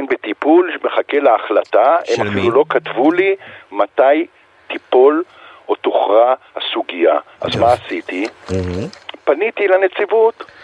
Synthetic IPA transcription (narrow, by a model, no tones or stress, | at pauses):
nbet̪ipulʃmeχakelaːχlataemafilulo̞katvulimataj | t̪ipo̞l | otoχʁahasuɡija̰ʔa̰zmaːsit̪i | panit̪ilanet͡sivut